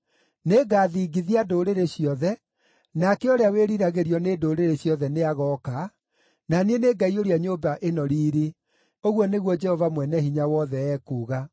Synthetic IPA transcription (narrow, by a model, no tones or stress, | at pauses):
neɡaːðiːɡiðiadoːɾeɾeɕiɔðɛ | nakɛoɾeaweɾiɾaɣeɾiɔnedoːɾeɾeɕjɔðɛneaɣɔka | nanieneɡaioɾeaɲoːbaʔenɔɾiːɾe | oɣwɔneɣwɔd͡ʒɛhɔvamwɛnɛhiɲawɔðɛɛːkuːɣa